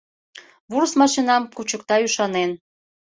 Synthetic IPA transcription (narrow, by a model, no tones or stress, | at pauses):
βursmɑʃinɑmkut͡ɕəkt̪ɑyʃɑnen